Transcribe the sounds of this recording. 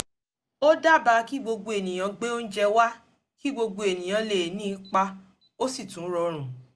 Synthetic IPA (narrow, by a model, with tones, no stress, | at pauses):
o˦da˦˨ba˧˦ki˦ɡ͡bo˧ɡo˧e˨nĩ˨j̃ã˧ɡ͡be˦o˦n̩˦d͡ʒɛ˧wa˦ | ki˦ɡ͡bo˧ɡo˧e˨nĩ˨j̃ã˨˧le˨nĩ˦˧k͡pa˧ | o˦si˦˨tũ˨˦ɾɔ˧ɾ̃ũ˨